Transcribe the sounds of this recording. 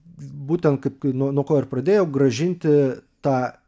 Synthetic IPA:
buːt̪ʲɛnt̪̚kɐɪp̚knunuɔkoːɪrpɾɐd̪ʲeːjɛʊɡɾɐʒʲɪnʲt̪ʲɪt̪ɑː

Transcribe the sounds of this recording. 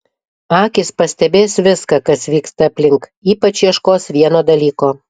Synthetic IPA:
ɑːkʲɪspɐsʲt̪ʲɛbʲeːsʋʲɪskɐkɐsʋʲiːkst̪ɐːpʲlʲɪŋkiːpɐt͡ʃiɛʃkoːsʋʲiɛnoːd̪ɐlʲiːkoː

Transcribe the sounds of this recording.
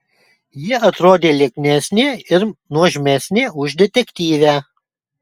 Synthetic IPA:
jɪɐt̪ɾoːd̪ʲeːlʲɛknʲɛsʲnʲeɪɾnuɔʒʲmʲɛsʲnʲeːʊʒʲd̪ʲɛt̪ʲɛkʲt̪ʲiːʋʲæː

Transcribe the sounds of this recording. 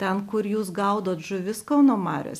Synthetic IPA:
t̪ʲɛnkʊɾjuːsɡɐʊd̪oːt̪ʒʊʋʲɪskɐʊnoːmɑːɾʲo̰ːsʲ

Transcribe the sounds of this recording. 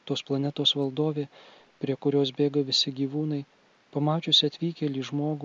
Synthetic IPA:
t̪oːsplˠɐnʲɛt̪oːsʋɐlˠd̪oːʋʲeː | pʲɾʲiɛkʊɾʲoːs̬bʲeːɡɐʋʲɪsʲɪɡʲiːʋuːnɐɪ | pɐmɑːt͡ʃʲʊsʲɪɐt̪ʲʋʲiːkʲɛlʲiːʒmoːɡ

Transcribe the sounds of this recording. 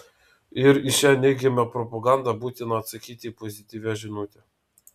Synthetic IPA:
ɪɾɪʃʲæːnʲɛɪɡʲɛmʲɛpɾɔpɐɡɑˑnd̪ɑbuːt̪ʲɪnɐːt̪sɐkʲiːt̪ʲɪːpɔzʲɪt̪ʲiːʋʲæʒʲɪnuːt̪ʲɛ

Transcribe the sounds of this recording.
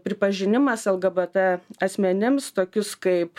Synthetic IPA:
pʲɾʲɪpɐʒʲɪnʲɪmɐsɐlˠɡɐbɐt̪ɐɐsʲmʲɛnʲɪmst̪oːkʲʊskɐɪp

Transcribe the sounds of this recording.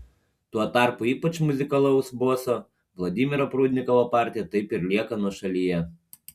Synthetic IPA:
t̪uɔt̪ɑˑɾpʊiːpɐt͡ʃmʊzʲɪkɐlˠɐʊsboːso | ʋlˠɔd̪ʲiːmʲɪɾopɾuːd̪ʲnʲɪkɔʋopɑˑɾʲt̪ʲijɛt̪ɐɪpɪɾlʲiɛkɐnuɔʃɐlʲijɛ

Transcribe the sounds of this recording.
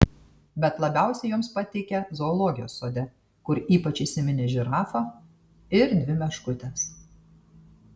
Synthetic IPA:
bʲɛt̪lˠɐbʲæˑʊsʲɛjʊːmspɐt̪ʲɛɪkʲɛzoːlˠoːɡʲɪjoːsːoːd̪ʲɛ | kʊɾiːpɐt͡ʃisʲɪmʲɪnʲɪʒʲɪɾɑːfɐ | ɪɾd̪ʲʋʲɪmʲɛʃkʊt̪ʲɛs

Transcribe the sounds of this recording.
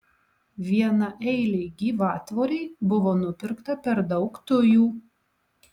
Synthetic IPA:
ʋʲiɛnɐʔɛɪlʲeɪɡʲiːʋɑːt̪ʋoːɾʲeɪbʊʋoːnʊpʲɪɾkt̪ɐpʲɛɾd̪ɒʊkt̪ʊjuː

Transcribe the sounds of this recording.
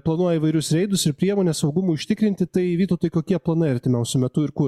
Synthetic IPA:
plˠɐnuɔjɛiːʋɐɪɾʲʊsɾʲɛɪd̪ʊsɪɾpʲɾʲiɛmoːnʲɛsɒʊɡʊmuːʊʃʲt̪ʲɪkɾʲɪnt̪ʲɪt̪ɐɪʋʲiːt̪oːt̪oɪkoːkʲiɛplˠɐnɐɪɐɾʲt̪ʲɪmʲɛʊsʲʊmʲɛt̪ʊɪɾkʊ

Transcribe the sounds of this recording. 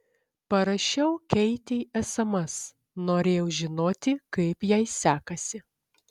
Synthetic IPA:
pɐɾɐʃʲɛʊkʲɛɪt̪ʲeʔɛsɐmɐs | noːɾʲeːjɛʊʒʲɪnoːt̪ʲɪkɐɪpjɛɪsʲæːkɐsʲɪ

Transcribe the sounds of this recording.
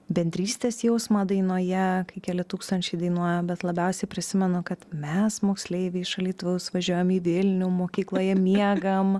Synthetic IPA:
bʲɛnʲd̪ʲɾʲiːsʲt̪ʲeːsjɛʊsmɐd̪ɐɪnoːjɛkɐɪkʲæːlʲɪt̪uːkst̪ɐnʲt͡ʃʲɛɪd̪ɐɪnuɔjɛmbʲɛt̪lˠɐbʲɛʊsʲɛɪpʲɾʲɪsʲɪmʲɛnʊkɐt̪mʲɛsmoːksʲlʲeɪʋʲɪɪʃɐlʲiːt̪ʊʋʲɛʊsʋɐʒʲuɔjɛmiːʋʲɪlʲnʲʊmoːkʲiːklˠoːjɛmʲiɛɡɐm

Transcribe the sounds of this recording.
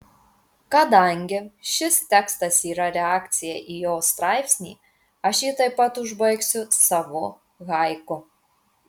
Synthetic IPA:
kɐd̪ɐŋʲɡʲɪʃʲɪst̪ʲɛkst̪ɐsiːɾɐɾʲɛɑːkt̪sʲɪjɛʔiːjoːst̪ɾɑˑɪpʲsʲnʲḭː | ɐʃjiːt̪ɐɪpːɐt̪ʊʒbɐɪksʲʊsɑʋoː | ɣɑɪkʊ

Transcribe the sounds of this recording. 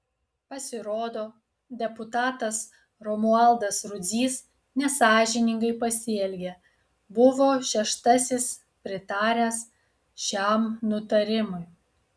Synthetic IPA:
pɐsʲɪɾoːd̪oː | d̪ʲɛpʊt̪ɑːt̪ɐs | ɾɔmʊɐlˠd̪ɐsɾʊd̪zʲiːs | nʲɛsɑːʒʲɪnʲɪŋɡɐɪpɐsʲɪɛlʲɡʲe | bʊʋoːʃʲɛʃt̪ɐsʲɪs | pʲɾʲɪt̪ɑːɾʲæːs | ʃʲæmnʊt̪ɐɾʲɪmʊj

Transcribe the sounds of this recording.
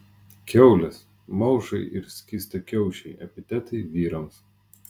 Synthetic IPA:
kʲɛʊlʲɛs | mɐʊʒɐɪʔɪɾsʲkʲist̪ɐkʲɛʊʃʲɛɪʔɐ̰pʲɪt̪ʲɛt̪ɐɪʋʲiːɾɐms

